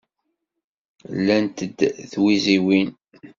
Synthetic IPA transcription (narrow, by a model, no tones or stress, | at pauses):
lːænt̪əd̪ːθwiziwin